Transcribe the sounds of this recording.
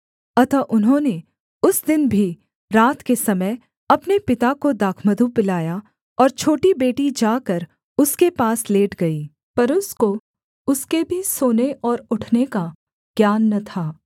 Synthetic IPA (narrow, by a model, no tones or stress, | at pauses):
ɐt̪aʔʊnɦõːne | ʊsd̪ɪnbʱi | ɾaːt̪kesɐməj | ɐpnepɪt̪akod̪aːkʰməd̪ʱupɪlaːja | ɔːɾt͡ʃʰoːʈibeːʈid͡ʒaːkɐɾ | ʊskepaːsleːʈʰɡɐiː | pɐɾʊsko | ʊskebʱisoːneʔɔːɾʊʈʰneka | ɡ̥jaːnːɐt̪ʰaː